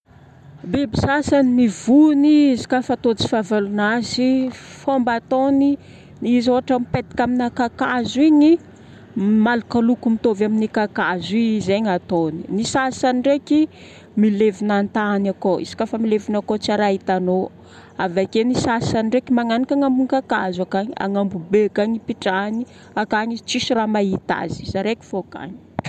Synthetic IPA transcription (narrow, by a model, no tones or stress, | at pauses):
bebisasanimiv̥uniizi̥kʲafat̪ot͡si̥favalunazifombat̪oni | nizoaʈ͡ʂamipet̪i̥kʲaminakakazuiɲi | malakalukumit̪ovaminikakazizeɲat̪oni̥nisasaniɖ͡ʐeki | milevinant̪anakoḭsḁkʲafəmilevinakot͡saɾait̪ano | avakenisasanɳɖ͡ʐekimaŋanikaŋambuŋikakazakaɲia̰ŋambubeakaɲipiʈ͡ʂani | akaɲit͡sisiramait̪a̰zizaɾeki̥foaka̰ɲi̥